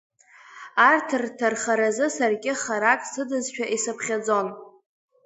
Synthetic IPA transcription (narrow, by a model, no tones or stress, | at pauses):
artʰɨrtʰarχaɾazɨsarɡʲɪχaɾakʼsɨdɨzʃᶣaʔisapʰχʲad͡zo̞n